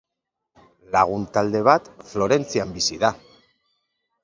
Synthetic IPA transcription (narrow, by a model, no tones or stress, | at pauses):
laɣ̞unt̪ald̪e̞β̞at̪flo̞ɾe̞nt͡siambisiða